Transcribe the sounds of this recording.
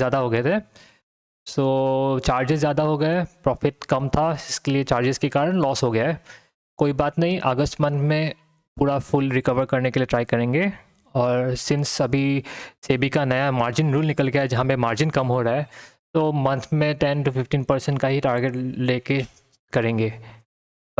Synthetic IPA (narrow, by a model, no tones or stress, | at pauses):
zjaːd̪aɦoɡɐet̪ʰeː | soːt͡ʃaːɾd͡ʒɪzːjaːd̪aɦoɡɐjepɾɔːfɪʈ̚kɐmt̪ʰaɪskeliet͡ʃaːɾd͡ʒɪzkekaːɾəɳlɔːsɦoɡɐjaɦɛ | koːibaːt̪nɐɦĩʔɐɡəsʈmɐ̃nt̪ʰmẽ | puːɾafʊlɾɪkɐʋəɾkɐɾnekelieʈɾaːikɐɾẽːŋɡe | ɔːɾsɪnsɐbʱiseːbikanɐjamaːɾd͡ʒɪnɾuːlnɪkəlɡɐjaɛd͡ʒɐɦãpẽmaːɾd͡ʒɪnkɐmɦoɾaɛːt̪oːmɐ̃nt̪ʰmẽʈɛnʈufɪfʈiːnpɐɾsɛ̃ɳʈkaɦiʈaːɾɡeʈleːke | kɐɾẽːŋɡeː